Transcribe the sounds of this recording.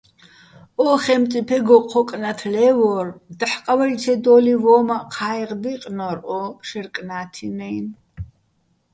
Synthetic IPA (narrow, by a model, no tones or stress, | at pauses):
ʔɔχɛmt̪t͡s̪ʼipʰɛɡɔqʰːɔkʼnat̪ʰlɛvɔrd̪əħqʼawaɾit͡sʰɛd̪ɔlivɔːmaqʰaːjʁd̪iqʼnɔɾʔɔʃɛrkʼnaːt̪ʰinɛjn